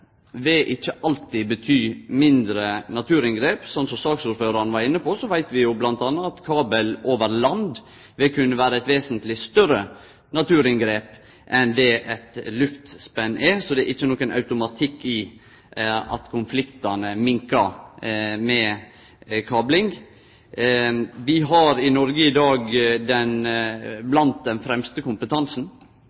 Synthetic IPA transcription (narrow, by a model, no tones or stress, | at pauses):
ʋɪʔɪçːəʔɑlt̪ibət̪ʰyːmɪnd̪ɾənɑt̪ʰʉːɾɪnɡɾeːpsɔnt̪sɔmsɑːɡsuːɾføːɾɑnəʋɑɾɪnːəpʰɔsɔʋæɪt̪ʋɪjʊblɑnt̪ɑːnːɑɑt̪kʰɑːbəloːʋəɾlɑnd̪ | ʋɪkʰʉnːəʋæːɾəɛt̪ʋeːsənt̪lɪst̪œɾə | nɑt̪ʰʉːɾɪnɡɾeːp | ʔɛnd̪ɛʔɛt̪lʉft̪spɛnːʔɛsɔd̪ɛʔɪçːənɔːkənɑ̰ʉt̪ʊmɑt̪ʰɪkːɪ | ɑ̰t̪kʰʊnflɪkt̪ɑnəmɪŋkɑɾ | mɛ | kʰɑːblɪŋ | ʋɪɦɑɾɪnɔɾɡəɪd̪ɑːɡd̪ɛnblɑnt̪̚d̪ɛnfɾɛmst̪əkʰʊmpət̪ʰɑnsn̩